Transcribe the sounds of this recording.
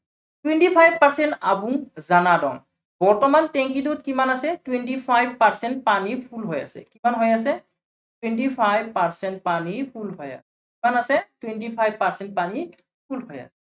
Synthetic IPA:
twɛntipʰajb̚paɹsɛntabũŋzanadɔ̰ŋ | bɔɹtɔmantɛŋkidut̚kimanasɛtwɛntipʰajbpaɹsɛntpanipʰulɦɔja̰sɛ̰kimanɦɔjas̬ɛ | twɛntipʰajbpaɹsɛntpanipʰulɦɔja̰sɛkimanasɛtwɛntipʰajbpaɹsɛnt̚pani | pʰulɦɔja̰sɛ̥

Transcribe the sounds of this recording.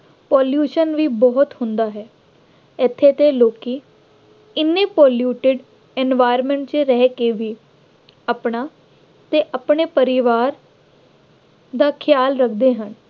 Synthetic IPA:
pɔːljuːʃənʋiːbɔːʊt̪hʊ̃nd̪aːɦɛː | ɪt̪ʰːeːt̪eːloːkiː | ɪnːẽːpɔːljuːʈɪɖ | ɛnʋaːɪɾmɛ̃ɳʈt͡ʃɾɛːkeːʋiː | əpɳaː | t̪eːʔəpɳeːpəɾɪʋaːɾ | d̪aːkʰɪjaːlɾəkʰd̪eːɦən

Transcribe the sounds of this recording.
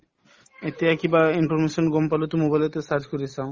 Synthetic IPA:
et̪eɛkibainfɔɾmeʃɔnɡɔmpalot̪umobajlet̪esaɾd͡ʑkoɾisʰã

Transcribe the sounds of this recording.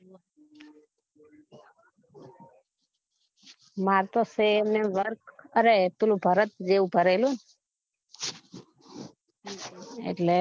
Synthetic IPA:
maɾt̪osemneʋəɾkəɾet̪ulubʱəɾət̪̚d͡ʒeubʱəɾelũn | ḛʈle

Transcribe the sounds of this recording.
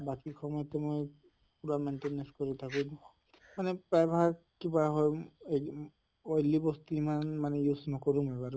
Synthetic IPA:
bakixʰɔmɔjɔt̪ɛmoj | puɹamenʈenenskoɹit̪ʰakũ | manɛpɹajba | kibaɦɔje | ɔjlːibɔst̪iimanmanɛjusnɔkɔɹũmebaɾ

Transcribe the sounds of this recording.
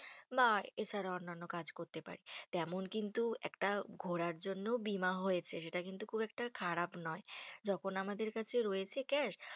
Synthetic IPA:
maet͡ɕʰaɾaonːanːokad͡ʑkoɾt̪epa̰ɾit̪ɛmonkint̪uɛ̰kʈaɡʱoɽaɾd͡ʑonːoobimaɦojet͡ɕʰeʃeʈakint̪ukʰubɛk̚ʈakʰaɾapnɔed͡ʑɔkʰonamad̪eɾkat͡ɕʰeɾɔjet͡ɕʰekɛʃ

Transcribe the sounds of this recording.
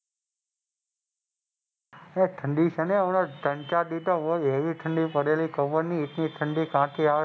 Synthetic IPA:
eʈʰəɳɖit͡ʃʰənenõʈəɳt͡ʃad̪it̪õʋoeʋiʈʰəɳɖipəɾelikəʋəɾniːʈniʈʰəɳɖikãʈ̪ʰia

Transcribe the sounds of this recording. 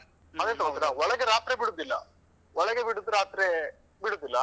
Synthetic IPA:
ɐd̪eːt̪ɐmɐd̪ɾaɔɭɐɡeɾaːt̪ɾebiɽud̪ilːɐ̰ | wɔɭɐɡebiɽud̪ɾaːt̪ɾe | biɽud̪ilːɐ

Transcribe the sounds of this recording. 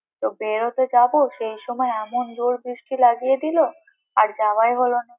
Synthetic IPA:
t̪obeɾot̪od͡ʑaboʃejʃɔmɔeɛmond͡ʑoɾbɾiʃʈilaɡijed̪ilo | aɾd͡ʑabajɦolona

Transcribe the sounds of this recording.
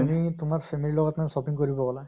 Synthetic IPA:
mitʊmaɹpʰemililɔɡɔtmansɔpiŋkoɹibɔkɔla

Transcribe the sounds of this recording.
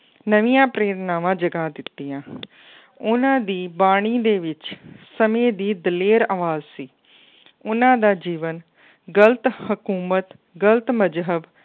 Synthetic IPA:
nəʋijãːpɾeːɾnaːʋãːd͡ʒəɡãːd̪ɪt̪ːiːãː | ʊnãːd̪iːbaːɽ̃iːd̪eːʋɪt͡ʃsəmẽːd̪iːd̪əleːɾaʋaːzsiː | ʊnãːd̪aːd͡ʒiːʋən | ɡələt̪həkuːmət̪ | ɡəlt̪məd͡ʒɦəb

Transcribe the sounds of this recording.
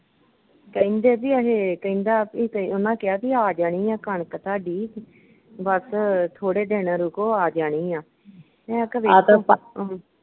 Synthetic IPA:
kəĩnd̪eːpiːəɦeːkəĩnd̪aːpikəʊnãːkɪaːpiːaːd͡ʒaːɽ̃iːãːkəɳkət̪aːɖiː | bəst̪ʰoːɽeːɖeːnaːɾuːkoːaːd͡ʒaːɽ̃iːãː | ɛ̃kəbeː

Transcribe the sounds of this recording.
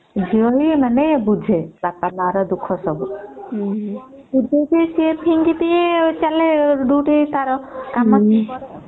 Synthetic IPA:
d͡ʒiɔɦimənebud͡ʒʱebapamaɾɔd̪ukʰɔsɔbu | bud͡ʒʱed͡ʒesiepʰiŋɡit̪iet͡ʃaleɖuʈit̪aɾɔkamɔt͡ʃi

